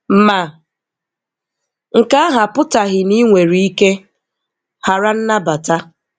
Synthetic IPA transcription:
m̩˨ma˨ | ŋ̩˨ka˦a˦ɦa˨pʊ˦ta˨ɦɪ˨ni˦ŋʷe˨ɾi˦i˦ke˦ | ha˨ɾa˦n̩˦na˦ba˨ta˦

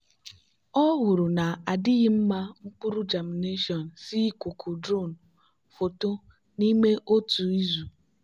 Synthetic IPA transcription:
ɔ˦ɦʊ˨ɾʊ˨na˨a˨dɪ˦ɣɪ˦m̩˦ma˦ŋ͡m̩˦k͡pu˦ɾʊ˦d͡ʒa˨m˨ne˦ʃɔ˨n̩˨si˦kʊ˨kʰu˨dɾo˦˨n̩˨ | fo˨to˦ | ni˦me˦ʔo˦tu˨i˦zu˨

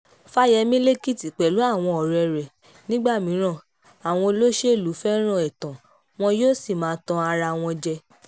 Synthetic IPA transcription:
fa˦jɛ˧mĩ˦le˦ki˦˨ti˨k͡pɛ˨lu˨˦a˦˨w̃ɔ̃˧ɔ˨ɾɛ˧˨ɾɛ˨ | nĩ˦ɡ͡ba˦˨mĩ˨˦ɾ̃ã˦˨ | a˨w̃ɔ̃˧lo˦ʃe˦˨lu˨˦fɛ˦ɾ̃ã˦˨ɛ˨tã˨ | w̃ɔ̃˧joː˦˨si˦˨mãː˨˦tɔ̃˧a˧ɾa˧w̃ɔ̃˧d͡ʒɛ˧

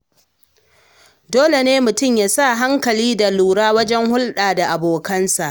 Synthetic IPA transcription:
doː˦le˨neː˦mʊ˨tʊ˦˨mjaː˦sa˦˨ɦa˦ŋkɐ˨liː˦da˨luː˨ɾaː˦wɐ˦d͡ʒɛ˦ŋhʊ˦lɗaː˨da˨ʔa˨boː˨kɐ˦nsa˨ʔ

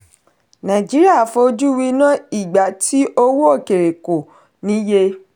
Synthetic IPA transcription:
nã˨d͡ʒi˨˦ɾi˦a˦˨fo˧o˧d͡ʒu˦wi˧˦nã˦i˦˨ɡ͡ba˨ti˦ʔo˦wo˦o˦˨ke˨ɾe˨ko˨ | nĩ˨˦je˧

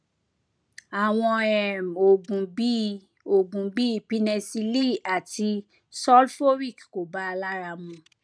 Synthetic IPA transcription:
a˨w̃ɔ̃˧ɛ˨m˨o˨bũ˨i˦ | o˨bũ˨bi˦˨pi˦nɛ˧si˧li˦˨a˨ti˧ | sɔ˦lfo˦ɾi˦˨kko˨ba˦a˧la˦ɾa˧mũ˧

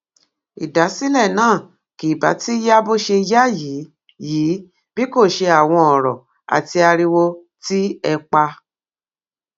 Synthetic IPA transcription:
i˨da˨˦si˦lɛ˦˨nãː˦˨ | ki˨ba̰˨˦ti˦ja˦bo˦ʃe˧ja˦ji˨˦ | jiː˨˦ | bi˦ko˦˨ʃe˧a˨w̃ɔ̃˧ɔ˨ɾɔ̰˨ | a̰˨ti˧a˧ɾi˧wo˧ | ti˦ɛ˧k͡pa˧

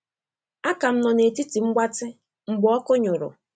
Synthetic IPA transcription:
a˦ka˨m̩˦nɔ˨ne˨ti˦ti˨ŋ͡m̩˦ɡ͡ba˦tɪ˦ | ŋ͡m̩˨ɡ͡bʊ˨˦ɔ˦kʊ˦ɲʊ˨ɾʊ̰˨

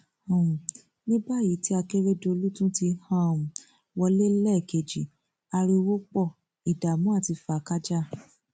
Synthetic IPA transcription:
õ˨ | nĩ˦ba˦˨ji˨˦ti˦a˧ke˦ɾe˦do˧o˧lu˦tũ˦ti˧hã˦˨ũ˨ | wɔ˧le˦lɛ˦˨ke˨d͡ʒi˨ | a˧ɾi˧wo˦k͡pɔ˦˨ | i˨da˨mũ˦a˦˨ti˧fa˨ka˦d͡ʒa˦

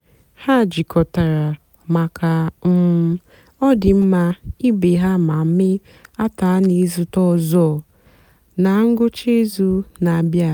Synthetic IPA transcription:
ha˦˨d͡ʒɪ˨kʰɔ˨ta˨ɾa˨ | ma˨kʰa˨m̩˦m˦ | ɔ˦dɪ˨m̩˦ma˦i˦be˨ɦa˦ma˨˦mɪ˦ | a˦ta˨˦a˦ni˦zʊ˦tɔ˦˨zɔ˦˨ | na˨˦ŋ̩˦ɡʊ˦t͡ʃe˦zu˦na˨bja˦˨

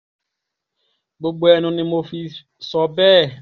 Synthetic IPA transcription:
ɡ͡bo˨ɡ͡bwɛ˨nʊ̃˨nɪ̃˨mo˨fi˨ | sɔ˨bɛː˦˨

